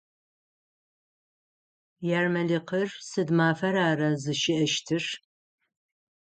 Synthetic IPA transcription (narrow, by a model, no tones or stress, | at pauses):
jaːrmɐliqʰərsɨdmaːfɐɾaːrazɨʃɪʔɐʃtʰɨʂ